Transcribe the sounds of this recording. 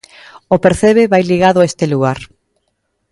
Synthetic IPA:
ʊpeɾθeβeβajliɣaðʊaest̪eluɣaɾ

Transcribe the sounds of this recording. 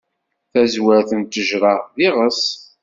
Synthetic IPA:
θæzwæɾθənt̪əʒɾˤɑðɪʁəs

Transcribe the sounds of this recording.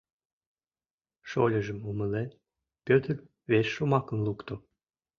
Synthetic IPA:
ʃolʲə̆ʒə̆muməlen | pøt̪ər | βesʃumɑkə̆nlukt̪o

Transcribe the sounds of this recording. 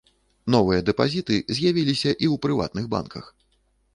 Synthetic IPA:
nɔvɨjɐd̪ɛpazʲit̪ɨzʲjavʲilʲisʲɐʔiwpɾɨva̰t̪̚nɨɣba̰nkʰɐx

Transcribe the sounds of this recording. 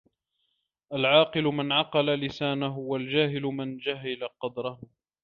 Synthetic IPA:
ʔalʕɑːqɨlʊmɪnʕɑqɑlalɪsaːnaɦʊwald͡ʒaːɦɪlʊmɪnd͡ʒaɦɪlaqɑd̪ɾˤɑhʊ

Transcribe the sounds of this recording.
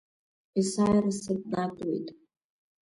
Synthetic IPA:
isajrasɨd̚natʼwḛjtʼ

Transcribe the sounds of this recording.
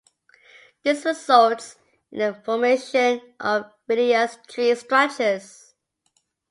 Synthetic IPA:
ðɪsɹɪzʌlˠts | ɪ̃nəfɔmeɪʃə̃nʔəvːɪɾiostʰɹistɹ̥æt͡ʃəz̥

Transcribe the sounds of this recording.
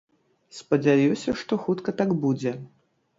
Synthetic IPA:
spɐd͡zʲajusʲɐʂt̪ɔxut̪kɐt̪aɡbud͡zʲɛ

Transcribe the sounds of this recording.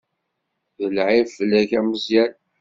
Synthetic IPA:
ðəlʕifəlːæʝæməzjæl

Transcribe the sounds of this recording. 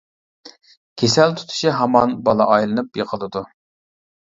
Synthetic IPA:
kʲʰesɛlt̪ʰu̥t̪ʰu̥ʃiɦɑmɑnbɑlˠɑ̰ʔɑjlˠɨnɨpjəqʰəlˠɨd̪u

